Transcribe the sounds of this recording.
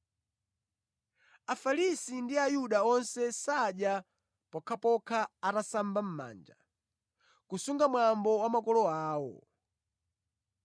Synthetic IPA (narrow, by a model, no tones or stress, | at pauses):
afalisindiajuɗaɔnsɛsaɗja | pɔkʰapɔkʰaatasambam̩ma̰ːnd͡ʒa | kusuŋɡamwambɔwamakɔlɔaːwɔ̰